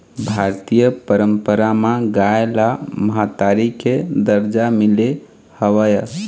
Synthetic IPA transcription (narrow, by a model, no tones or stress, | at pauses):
bʱaɾt̪ijəpəɾəmpəɾamaɡaelaməɦat̪aɾiked̪əɾd͡ʒamile | həʋəjə